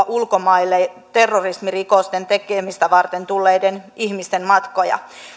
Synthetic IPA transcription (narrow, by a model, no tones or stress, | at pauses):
ʔulkomɑilːe | t̪e̞rːorismirikost̪ent̪ekemist̪æʋɑrt̪ent̪ulːejdeniçmist̪enmɑt̪ko̞jɑ̰